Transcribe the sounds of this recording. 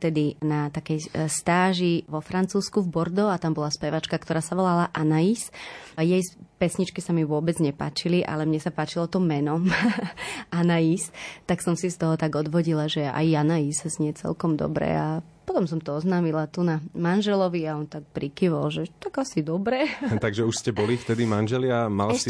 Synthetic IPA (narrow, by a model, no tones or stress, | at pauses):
t̪ɛd̪inat̪akɛjst̪aːʒiʋɔfɾant͡suːskuvbɔɾd̪ɔat̪ambɔlaspɛʋat͡ʃkakt̪ɔɾaːsaʋɔlalaʔanaisjɛjspɛsɲit͡ʃkisamiʋʊɔbɛd͡zɲɛpa̰ːt͡ʃiliʔa̰lɛmɲɛsapaːt͡ʃilɔt̪ɔmɛnɔm | ʔanajist̪aksɔmsist̪ɔɦɔt̪aɡɔd̪ʋɔɟilaʒɛa̰janaiszɲɪɛt͡sɛ̰lkɔmd̪ɔ̰bɾɛ̰a | pɔt̪ɔmsɔmt̪ɔɔznaːmilat̪unamanʒɛlɔʋiaɔnt̪ak̚pɾikiʋɔlʒɛt̪aɡasid̪ɔbɾɛt̪aɡʒɛuʃscɛbɔlift̪ɛd̪imanʒɛlɪama̰lsi